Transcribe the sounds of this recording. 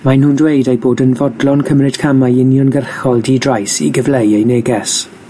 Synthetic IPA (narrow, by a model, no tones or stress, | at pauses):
majnhuːndwejdejboːdənvɔdlɔnkʰəmrɪd̥kʰamajɪnjɔnɡərxɔlˠdidrajsḭɡəvlejejneːɡɛs